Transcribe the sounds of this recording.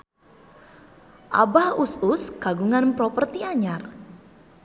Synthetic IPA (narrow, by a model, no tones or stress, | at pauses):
ʔa̰bahusʊskaɡuŋanpɾɔpərt̪iaɲar